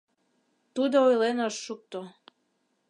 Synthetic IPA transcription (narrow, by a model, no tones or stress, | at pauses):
t̪ud̪oojlenoʃːuk̚t̪o